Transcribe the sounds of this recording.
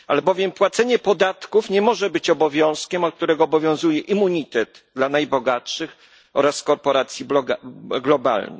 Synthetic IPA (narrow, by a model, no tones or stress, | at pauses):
ʔalɛbɔvʲjɛmpwat̪sɛɲɛpɔd̪at̪kufɲɛmɔʐɛbɘt͡ɕɔbɔvʲjɔ̃w̃skʲɛmɔk̚t̪uɾɛɡɔːbɔvʲjɔ̃w̃zujɛʔimːuɲit̪ɛd̪ | d̪lanajbɔɡatʂɘx | ɔɾaskɔɾpɔɾat̪sʲji | ɡlɔba̰lnɛ̰